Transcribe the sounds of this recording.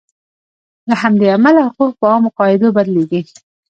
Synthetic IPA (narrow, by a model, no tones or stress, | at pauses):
lahamd̪eamalahʊquq̚pəɑmoqɑɪd̪obaɾleɡi